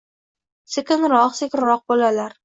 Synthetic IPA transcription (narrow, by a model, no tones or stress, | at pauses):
sekʲɪnɾɒqsekʲɪnɾɒq̚bolalaɾ